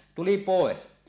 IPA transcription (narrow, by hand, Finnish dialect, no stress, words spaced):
tuli poˑes